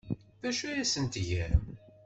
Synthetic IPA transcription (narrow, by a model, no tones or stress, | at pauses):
ðæʃæjæsənt̪ʝæɾ